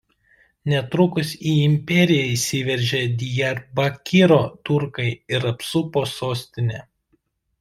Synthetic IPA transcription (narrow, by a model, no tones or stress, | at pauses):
nʲɛt̪ɾʊkʊsʲiːɪmʲpʲɛɾʲɪjɛɪsʲɪʋʲɛɾʲʒʲɛd̪ʲɪjɛɾbɐkʲɪɾoːt̪ʊɾkɐɪɪɾɐpsʊpoːsoːsʲt̪ʲɪnʲɛ